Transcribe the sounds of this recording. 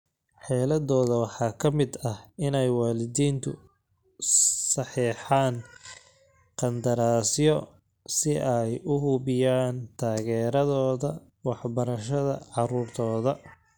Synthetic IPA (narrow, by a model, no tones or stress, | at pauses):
ħɛːlɐðɔːðɐwɑħɑːkʰɐmɪd̪ɐhɪnɛjwɑːlɪðiːnt̪ʰʊ̰ | sɑħiːħɑːn | qɑnd̪ɐɾaːsjɔ | sɪʔɛjʊɦʊβɪjaːnt̪ʰaːɣɛːɾɐðɔːðɐ | wɑħbɐɾɐʃɐðɐ̰ʕɑɾuːrt̪ʰɔːðɐ